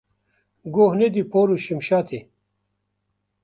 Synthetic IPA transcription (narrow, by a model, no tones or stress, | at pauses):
ɡoːɦned̪ipʰoːɾuɕimɕaːt̪ʰi